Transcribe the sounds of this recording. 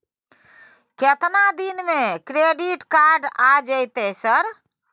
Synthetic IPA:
ket̪nad̪inmekɾeɖiʈkaɾɖad͡ʒəɪt̪esəɾ

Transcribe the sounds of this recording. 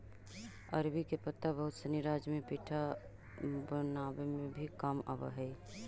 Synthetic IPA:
ə̰ɾbikepət̪ːabəɦʊt̪sənɪɾaːd͡ʒmẽpiːʈʰa | bənaːwemẽbʱikəma̰bə̰ɦɛi

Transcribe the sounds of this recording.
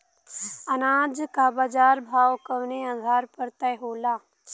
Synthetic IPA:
ɐnaːd͡ʒkaːbaːd͡ʒaːɾbʱaːʋkəʋneaːd̪ʱaːɾpəɾt̪ɐɦoːlaː

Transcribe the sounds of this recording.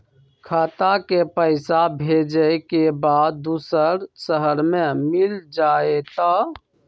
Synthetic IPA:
kʰat̪akepəɪsabʱed͡ʒəjkebad̪̚d̪usəɾsəɦəɾmẽmild͡ʒaet̪ə

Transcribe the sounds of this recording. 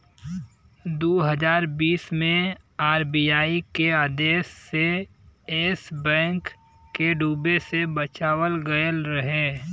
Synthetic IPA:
d̪oːɦəd͡ʒaːɾbiːsmẽ | aːɾbiːaːikeaːd̪eːsːe | eːsbɛ̃ːŋkː | eɖuːbesebət͡ʃaːwəlɡəjəlɾəɦeː

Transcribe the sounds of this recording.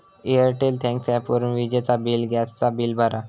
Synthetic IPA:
eəɾʈelt̪ʰɛ̃ŋksɛpuɾənʋid͡ʑet͡sabiːlɡɛst͡sabiːlbʱaɾʔa

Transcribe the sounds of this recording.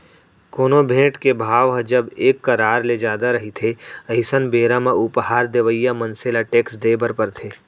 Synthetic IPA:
koːnobʱẽːʈkebʱaːʋɦd͡ʒəbeːkːɐɾaːɾled͡ʒjaːd̪aɾɐɦit̪ʰeɐɪsənbeːɾamẽʊpɦaːɾd̪eʋəijːamənselaʈeːksd̪eːbəɾpəɾt̪ʰeː

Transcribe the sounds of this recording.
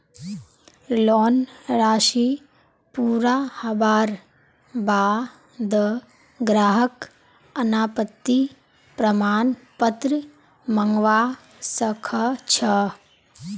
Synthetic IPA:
loːnɾaːʃi | puːɾaːhɐbaːɾ | baː | d̪ə | ɡɾaːɦək | ɐnaːpət̪ːi | pɾɐmaːnpət̪ɾə | mɐŋɡʋaː | sɐkʰɐt͡ʃʰɐ

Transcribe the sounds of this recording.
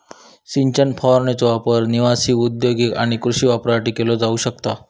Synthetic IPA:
siɲt͡ɕənpʰɔɾnet͡sɔʋapəɾniʋasiːud̪joɡikaɽ̃ikɾuɕiːʋapɾaʈiːkelɔd͡zauːɕəkt̪a

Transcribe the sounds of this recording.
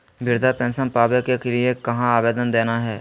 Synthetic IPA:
ʋɪɾd̪ʱapɛ̃ːnsənpaːbekeklɪekɐɦãaːʋeːd̪ənd̪eːnaɦɛː

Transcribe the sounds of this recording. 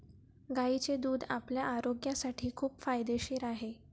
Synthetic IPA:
ɡait͡sed̪uːd̪a̰pljaʔaɾoɡjãsaʈʰiːkʰuːpfajd̪eɕeːɾaɦe

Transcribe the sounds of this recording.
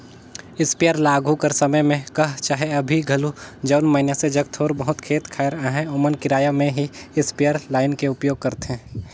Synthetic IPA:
ɪspejəɾlaːɡʱũkəɾsəməjmẽkɐɦt͡ʃaːɦeɐbʱiɡʱɐlud͡ʒəʊnmɐɪnjased͡ʒɐkt̪ʰoːɾbəɦʊt̪kʰeːt̪kʰaːɪɾaːɦɛ̃omənkɪɾaːjamẽɦiɪspejəɾlaːɪnkeʊpjoːɡ̚kɐɾt̪eɛ̃ː

